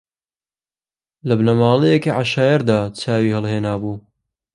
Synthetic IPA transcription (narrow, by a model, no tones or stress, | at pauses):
lɐbnɐmaːlˠejɛkiʕaʃaːjɐɾd̪aːt͡sʰaːwiːhɨlˠheːnaːbuː